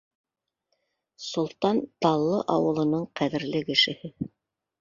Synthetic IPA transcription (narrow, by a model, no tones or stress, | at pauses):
sŏlˠt̪ɑnt̪ɑlˠːɤʔɑwɤ̆lˠɤ̆nɤɴqæðɘ̆ɾlɘkɘ̆ʃɘ̆hɘ